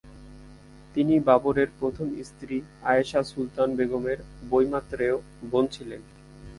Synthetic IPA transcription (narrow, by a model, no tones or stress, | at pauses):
t̪inibaboɾeɾpɾot̪ʰomist̪ɾiaeʃasult̪anbeɡomeɾbojmat̪ːɾeo | bont͡ɕʰilen